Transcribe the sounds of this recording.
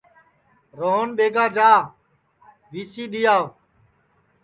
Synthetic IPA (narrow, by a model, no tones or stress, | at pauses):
ɾoːɦnɓeːɡaːd͡ʒaː | ʋiːsiːɗ̪ɪjaː